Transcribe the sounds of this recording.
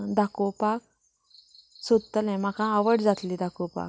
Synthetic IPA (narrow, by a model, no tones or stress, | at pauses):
d̪akupak̚ | sud̪t̪ːəlɛ̃m̤akãaʋəɽd͡zat̪lid̪akupa̰k